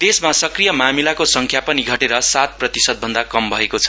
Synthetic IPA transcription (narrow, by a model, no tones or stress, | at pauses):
d̪̥esmasʌkrijʌmamilakosʌŋkʰjapʌniɡʱʌʈeɾʌsat̪̚prʌt̪isʌd̪̚bʱʌnd̪akʌmbʱʌekot͡sʰʌ̥